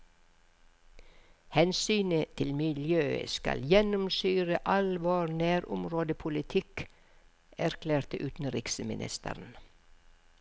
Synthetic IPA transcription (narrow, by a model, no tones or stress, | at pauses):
hɛnsyːnət̪ʰɪlmɪljøːə̰skɑ̰ljɛnʊmsyːɾəʔɑlʋoːɾnæːɾʊ̰mɾoːd̪əpʰʊlɪt̪ʰɪk | æɾkʰlæːɾt̪əʔʉːt̪n̩ɾɪksəmɪ̰nʔɪ̰st̪ə̰ɾn̩